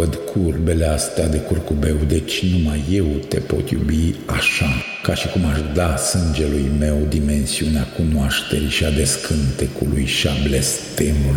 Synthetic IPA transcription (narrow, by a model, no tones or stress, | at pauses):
əd̪kʰurbe̞le̞ast̪ead̪e̞kurkube̞wd̪e̞t͡ʃʲnumajːe̞wt̪e̞̰po̞̰t̪jṵbiaʃa | kaʃikumaʃd̪asɨnd͡ʒe̞lujme̞wd̪ime̞nsiuneakunoaʃt̪e̞ɾiʃiad̪e̞skʰɨnt̪ekulujʃiablest̪emul